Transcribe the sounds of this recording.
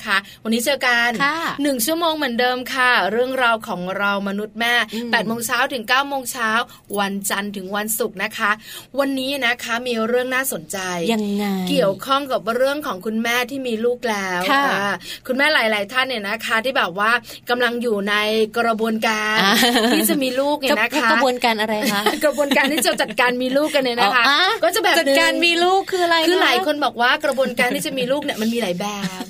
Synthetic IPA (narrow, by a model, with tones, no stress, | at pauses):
kʰa˦˥ | wa˧nːi˦˥t͡ɕɯː˧wka˧nʰː˥ɯ˨˩ŋt͡ɕʰu˥˩əmoː˧ŋmɯ˩˦ndɤː˧mkʰa˥˩ɾɯ˥˩əŋɾa˧wkʰɔː˩˦ŋɾa˧wma˧nu˦˥t̪̚mɛː˥˩pɛː˨˩t̪̚moː˧ŋt͡ɕʰaː˦˥wt̪ʰɯ˨˩˦ŋkaː˥˩wmoː˧ŋt͡ɕʰaː˦˥w | wa˧nt͡ɕa˧nt̪ʰɯ˨˩˦ŋwa˧nsu˨˩k̚na˦˥kʰa˦˥ʔwa˧nːiː˦˥na˦˥kʰa˦˥miː˧ɾɯ˥˩əŋnaː˥˩so˩˦nt͡ɕa˧jki˨˩əwkʰɔ˥˩ŋka˨˩p̚ɾɯ˥˩əŋkʰɔː˩˦ŋkʰu˧nmɛː˥˩t̪ʰiː˥˩miː˧luː˥˩k̚lɛː˦˥wa˧˥˩kʰu˧nmɛː˥˩laː˨˩˦jlaː˨˦jt̪ʰa˥˩nːi˥˩na˦˥kʰa˦˥t̪ʰiː˥˩bɛː˨˩p̚waː˥˩ | ka˧mla˧ŋjuː˨˩na˧jkɾa˧bu˧ənkaː˧ntʰiː˥˩t͡ɕa˨˩miː˧luː˥˩k̚ni˧˩na˦˥kʰa˦˥abu˧ənkaː˧nʔa˧ɾa˧ja˦˥kɾa˧bu˧ənkaː˧nt̪ʰiː˥˩t͡ɕa˨˩t͡ɕa˨˩t̪̚kaː˧nmiː˧luː˥˩k̚ka˧nlɯ˧˩na˦˥kʰa˦˥a˧kɔː˥˩t͡ɕa˨˩bɛː˨˩t͡ɕa˨˩n̚˧kaː˧nmiː˧luː˥˩kʰːɯː˧ɾa˧jkʰɯː˧laː˨˩˦jkʰo˧nbɔː˨˩k̚waː˥˩kɾa˧bu˧ənkaː˧nt̪ʰiː˥˩t͡ɕa˨˩miː˧luː˥˩k̚ni˥˩ɐma˧nmiː˧laː˩˨˦jbɛː˨˩